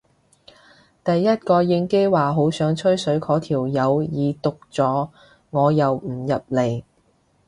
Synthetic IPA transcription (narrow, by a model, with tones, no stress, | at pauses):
t̪ɐ˨jːɐ˥t̚kɔː˧jɪ˧ŋke˥jwaː˨˩ɦo˨˥wsœː˨˥ŋt͡ʃʰɵ˥ɥsɵ˨˧˥ɥkʰɔː˨˥t̪ʰiː˨˩wjɐ˨˧wjiː˨˧t̪ʊ˨k̚t͡sɔː˨˥ | ŋɔː˨˧jɐ˨wm̩˨˩jɐ˨p̚le˨˩j